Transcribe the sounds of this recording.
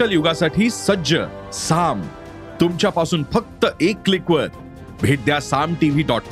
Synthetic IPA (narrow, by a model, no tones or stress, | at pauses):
əljuɡasaʈʰiːsəd͡ʑə | sam | t̪umt͡ɕjapasuːnfək̚t̪əʔekːlikʋəɾ | bʱeʈ̚d̪jasamʈiʋiːɖɔʈ̚k